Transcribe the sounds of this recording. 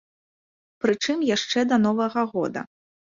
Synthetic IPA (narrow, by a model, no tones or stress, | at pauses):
pɾɨt͡ʂɨmjaʂt͡ʂɛd̪ɐn̪ɔvɐɣɐɣɔ̰d̪ɐ̰